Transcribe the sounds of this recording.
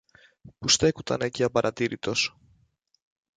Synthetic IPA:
pust̪e̞kut̪ɐ̰neciɐpɐɾʔɐt̪iɾit̪o̞s

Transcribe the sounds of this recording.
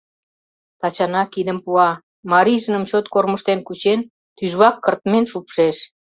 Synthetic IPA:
t̪ɑt͡ɕɑnɑkid̪əmpuɑ | mɑɾiʒənəmt͡ɕot̪korməʃt̪enkut͡ɕen | t̪yʒβɑkːərt̪menʃupʃeʃ

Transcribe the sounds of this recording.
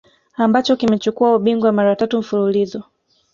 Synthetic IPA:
ambat͡ʃɔkimɛt͡ʃukuauɓiŋɡwamaɾatatum̩fululizɔ

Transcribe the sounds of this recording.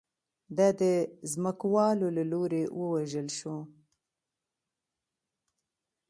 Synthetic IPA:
d̪ɑd̪əzməkwɑlolaloɾewəwaʒəlʃo

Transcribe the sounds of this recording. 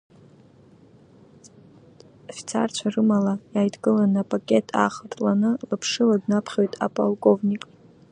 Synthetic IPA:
ofi̥t͡sʰa̰rt͡ʃʷʰarɨmalajaːjdɡɨlanɨapʼakʲʼe̞tʰʼa̰ːχatʼlanɨlapʰʂɨladnapʰχʲo̞jtʼa̰pʼalkʼo̞vnʲikʼ

